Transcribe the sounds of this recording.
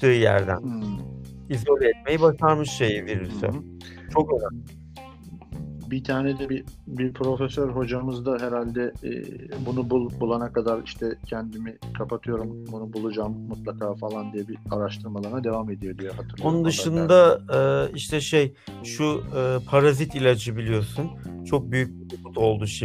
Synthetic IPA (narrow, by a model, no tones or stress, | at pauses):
t̪ʰɯːjæ̰ɾd̪æ̰n | izoɾʲɛt̪̚me̞jibaʃaɾmɯʃʃejiviɾisø̰ | t͡ʃʰo̞køzæm | bit̪ʰaːnɛd̪ɛbibipʰɾo̞fesøɾɦo̞d͡ʒamɯzd̪aɦɛɾalʲd̪ɛ̰ | bunububulˠanakʰad̪aɾiʃt̪ʰɛcʰɛnd̪imikʰapʰat̪ʰɯjo̞ɾumbunubulˠud͡ʒaːmmut̪lˠakʰaːfalˠand̪ijɛbiaɾaʃt̪ʰɯɾmalˠaɾnad̪e̞vame̞d̪ijo̞d̪ijɛɦat̪ʰɯɾˠonund̪ɯʃɯnd̪aɯːiʃt̪ʰɛʃejʃuɯːpʰaɾazit̪ilʲad͡ʒɯbilʲijo̞sunt͡ʃʰo̞k̚byjyc̚biɾuput̪o̞lˠd̪uʃi